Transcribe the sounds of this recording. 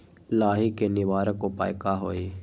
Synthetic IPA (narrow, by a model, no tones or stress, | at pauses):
laːɦikenɪʋaːɾəkopa̰ːjkaɦoːiː